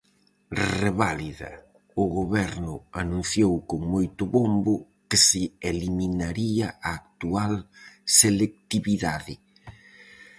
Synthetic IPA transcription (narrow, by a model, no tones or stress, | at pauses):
reβaliðɐ̰ | ʊɣoβɛɾnʊanũn̟θjowkoŋmojt̪ʊβombʊ | kɪsɪeliminaɾiɐʔaːk̚t̪ualselek̚t̪iβiðaðɪ